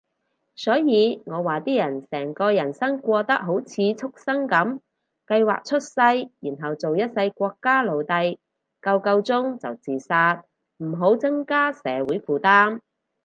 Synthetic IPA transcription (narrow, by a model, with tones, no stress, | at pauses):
sɔː˨˥jiː˨˧ŋɔː˨˧waː˨t̪iː˥jɐ˨˩nsɛː˨˩ŋkɔː˧jɐ˨˩nsɐ˥ŋkʷɔː˧t̪ɐ˥k̚ɦo˨˥wt͡sʰiː˨˧t͡sʰʊ˥k̚sɐ˥ŋkɐ˨˥m | kɐ˧jwa̰ː˨k̚t͡ʃʰɵ˥t̚sɐ˧jjiː˨˩nɦɐ˨˩wt͡so˨wjɐ˥t̚sɐ˧jkʷɔː˧kːaː˥lo˨˧wt̪ɐ˧j | kɐ˧wkɐ˧wt͡sʊ˥ŋt͡sɐ˨wt͡siː˨saː˧t̚ | m̩˨˩ɦo˨˥wt͡sɐ˥ŋkaː˥sɛː˨˥wuː˨˥jfuː˨˩t̪aː˥m